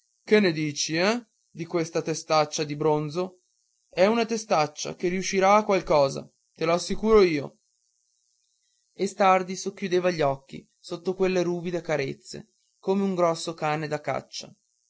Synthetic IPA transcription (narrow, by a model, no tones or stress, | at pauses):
kenːed̪iːt͡ʃiɛ | d̪ikwest̪at̪est̪at͡ʃːad̪ibɾonzo | ɛunat̪est̪at͡ʃːa̰kerːiuʃːiɾaːkːwalkɔːza̰ | t̪eloasːikuːɾoiːo | est̪ard̪isokːjud̪eːvaʎːɔkːḭ | sot̪ːokwelːeɾuːbid̪ekaɾet̪sːḛ | koːmeuŋɡɾɔsːokaːned̪akːa̰t͡ʃːa̰